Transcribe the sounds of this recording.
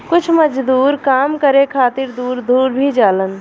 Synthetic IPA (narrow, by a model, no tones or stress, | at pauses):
kʊt͡ʃʰməd͡ʒd̪uːɾkaːmkəɾekʰaːt̪ɪɾd̪uːɾd̪uːɾbʱid͡ʒaːlən